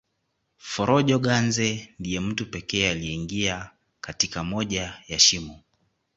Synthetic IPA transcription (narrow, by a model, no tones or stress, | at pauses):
fɔɾɔʄɔɠanzɛndijɛm̩tupɛkɛːaliɛiŋɡia | katikamɔʄajaʃimu